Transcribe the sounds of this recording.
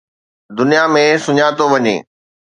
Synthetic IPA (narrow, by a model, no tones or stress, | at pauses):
d̪ʊnijamẽsʊɲaːt̪oʋɐɲḛː